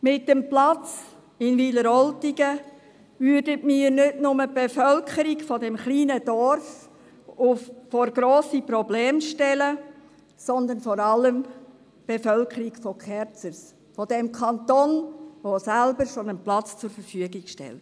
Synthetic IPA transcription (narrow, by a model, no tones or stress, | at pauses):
mɪt̚dɛmplɑt͡s | ɪnʋiləɾɔltiɡə | vʏɾdətmiːɾnɪtnʊməb̥efœlkʰəɾiɡfɔdɛmχliːnəd̥ɔɾf | ʊffɔɾɡɾoːsipɾɔbleːmʃtɛlə | sɔnd̪ənfɔɾɑlːəm | b̥efœlkəɾiɡfɔkχɛɾt͡səɾs | fɔdɛmkʰɑntonʋosælbəɾʃonənplɑt͡st͡sʊɾfəɾfyəɡiɡʃtɛ̰lt